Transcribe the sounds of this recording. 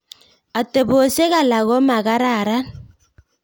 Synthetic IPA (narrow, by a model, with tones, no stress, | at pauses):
a˨te˨βo˨se˦ɣa˨la˨ɣɔ˦ma˨ɣa˦ɾa˦˨ɾa˦